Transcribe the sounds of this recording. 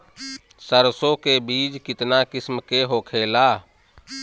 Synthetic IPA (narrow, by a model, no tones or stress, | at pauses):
səɾsõkebiːd͡ʒkɪt̪nakɪsmkeɦokʰela